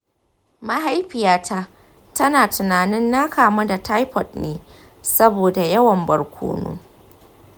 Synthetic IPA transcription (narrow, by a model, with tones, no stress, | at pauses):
ma˦ɦa˦jɸɪ˨jaː˨tʰa˦ | tɐ˦naː˨tʊ˨naː˨nɪ˦nːaː˦kʰaː˨mɐ˦da˨tʰa˦jɸɔ˨t̚neː˦ | sɐ˦boː˨da˨jɐ˦wɐ˨mbɐ˨rkʷʰo̰ː˦no̰ː˦